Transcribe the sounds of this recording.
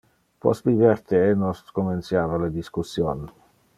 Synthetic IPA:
pɔ̰st̪bivert̪enɔst̪koment̪sjaːvaled̪iskusːjon

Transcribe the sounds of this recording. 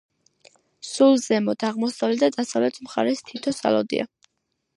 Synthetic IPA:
sulˠzɛmɔd̪ʰaʁmɔsavlɛd̪ad̪asavlɛt̪ʰmχa̰ɾɛst̪ʰit̪ʰɔsa̰lɔ̰d̪ḭa̰

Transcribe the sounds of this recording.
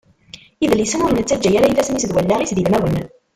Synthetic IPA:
iðlisənʊɾnət͡sːæd͡ʒːæjaɾæjiθæsnisd̪wælːaʁisðilmæwən

